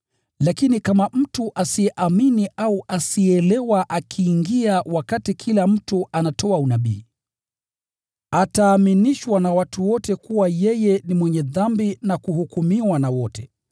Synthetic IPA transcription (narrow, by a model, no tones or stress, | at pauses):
lakinikamam̩tuʔasiɛʔaminiʔauʔasiɛlɛwaʔakʰiːŋɡiawakatikʰilam̩tuʔanatʰɔaunaɓḭː | ataːminiʃwanawatʰuwɔtɛkuwajɛjɛnimwɛɲɛðambinakuhukumiwanawɔtʰɛ